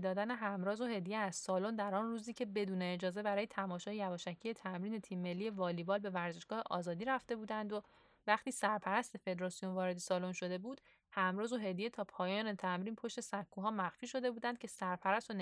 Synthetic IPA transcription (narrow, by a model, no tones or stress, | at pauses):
d̪ɒːd̪æne̞ɦæmɾɒːzoɦe̞d̪ijeæz̥sɒːlond̪æɾɒːnruːziːcʰe̞be̞d̪uːne̞ːd͡ʒɒːze̞bæɾɒːjet̪ʰæmɒːʃɒːjejævɒːʃæcʰːije̞t̪ʰæmɾiːne̞t̪ʰiːmːe̞lːije̞vɒːlibɒːlbe̞væɾze̞ʃɡ̥ɒːheʔɒ̰ːzɒːd̪iːɾæft̪e̞buːd̪ænd̪o | væxt̪iːsæɾpʰæɾæst̪e̞fe̞d̪ɾɒːsijo̞nvɒːɾe̞d̪esɒːlonʃo̞d̪e̞buːd̪̥ | hæmɾɒːzoɦe̞d̪ije̞t̪ʰɒːpʰɒːjɒːnet̪ʰæmɾiːnpʰo̞ʃt̪e̞sækʰːuːɦɒːmæxfiːʃo̞d̪e̞buːd̪ænd̪̚cʰe̞sæɾpʰæɾæst̪on